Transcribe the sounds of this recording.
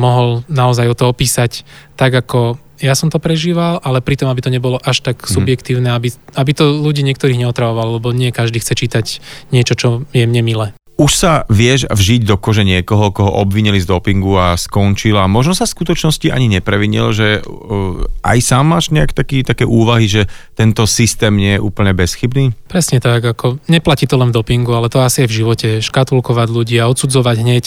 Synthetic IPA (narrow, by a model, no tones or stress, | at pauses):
mɔɦɔlnaɔzajɔt̪ɔɔpiːsact̪aɡakɔ | jasɔmt̪ɔpɾɛʒiːʋalʔalɛpɾit̪ɔmabit̪ɔɲɛbɔlɔʔaʃt̪aksubjɛkt̪iːʊnɛabiabit̪ɔluɟiːɲɪɛk̚t̪ɔɾiːɣɲɛɔt̪ɾaʋɔʋallɛbɔɲɪɛkaʒd̪iːxt͡sɛt͡ʃiːt̪acɲɪɛt͡ʃɔt͡ʃɔjɛmɲɛmilɛː | uʃsaʋɪɛʒvʒiɟd̪ɔkɔʒɛɲɪɛkɔɦɔkɔɦɔʔɔbʋiɲilizd̪ɔpiŋɡuaskɔnt͡ʃilamɔʒnɔsafskut̪ɔt͡ʃnɔsciʔa̰ɲiɲɛpɾɛʋiɲḭlʒɛ | ʔa̰jsaːmːaːʒɲɛakt̪akiːt̪akɛːʔuːʋaɦiʒɛt̪ɛnt̪ɔsist̪ɛːmɲɪɛjɛʔuːpl̩ɲɛbɛsxibniːpɾɛsɲɛt̪aɡakʰɔɲɛplaciːt̪ɔlɛnvd̪ɔpiŋɡualɛt̪ɔasiajvʒiʋɔcɛʃkat̪ulkɔʋaɟʎuɟiːaɔt̪sud͡zɔʋaɟɦɲɛc